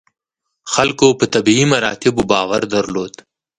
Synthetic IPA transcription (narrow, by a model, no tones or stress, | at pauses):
xɐlkopət̪ɐbiimɐɾɑ̰ːt̪ɪbubɑːwɐɾd̪ɐɾloːd̪